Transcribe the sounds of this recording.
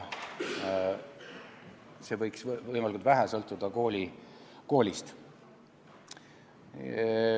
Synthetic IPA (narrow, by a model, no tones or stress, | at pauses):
se̞vɤjksvɤjmɑlikult̪væɦæsɤlt̪ːˑud̪̥ɑko̞ːlʲiko̞ːlʲist̪